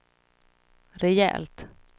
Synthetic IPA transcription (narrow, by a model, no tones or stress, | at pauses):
ɾɛjɛ̰ːlt̪